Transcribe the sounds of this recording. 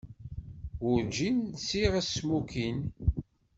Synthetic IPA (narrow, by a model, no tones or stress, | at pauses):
wʊɾd͡ʒinsiʁæsmukin